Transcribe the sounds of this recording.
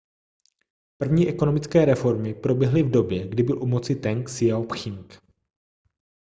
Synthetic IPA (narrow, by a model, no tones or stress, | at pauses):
pr̩vɲiːʔɛko̞no̞mɪt͡skɛːɾɛfo̞ɾmɪpɾo̞bjɛɦlɪvdo̞bjɛɡdɪbɪlʔumot͡sɪt̪ɛŋksɪjaopxɪŋk